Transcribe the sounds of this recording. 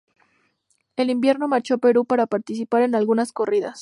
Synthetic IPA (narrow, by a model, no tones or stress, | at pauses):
e̞limbje̞ɾno̞maɾt͡ʃo̞pe̞ɾupaɾapaɾt̪isipaɾe̞nalɣunasko̞riðas